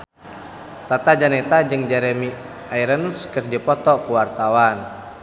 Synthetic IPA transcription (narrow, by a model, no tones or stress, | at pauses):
t̪at̪ad͡ʒanɛt̪ad͡ʒɨŋd͡ʒɛɾɛmi | aiɾənskərd͡ʒipɔt̪ɔkuwart̪awan